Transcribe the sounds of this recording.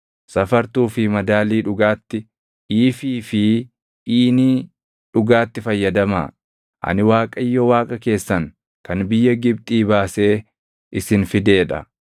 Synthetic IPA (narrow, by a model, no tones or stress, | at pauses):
sɐfɐɾt̪uːfɪmɐd̪aːliːᶑʊɡaːt̪ːɪ | iːfiːfɪ | ʔiːniː | ᶑʊɡaːt̪ːɪfɐjːɐd̪ɐma̰ː | ʔɐ̰nɪwaːkʼɐjːɔwaːkʼɐke̞ːsːɐŋ | kɐnbɪjːɐɡɪb̚t̪ʼiːbaːse̞ː | ʔɪsɪnfɪd̪e̞ːᶑɐ̰